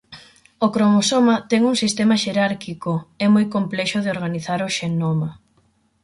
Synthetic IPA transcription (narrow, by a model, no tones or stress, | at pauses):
okɾomosomɐt̪ɛŋuŋsist̪ɛmaʃeɾaɾkikoɛmojkomplɛʃʊðeoɾɣaniθaɾoʃenoma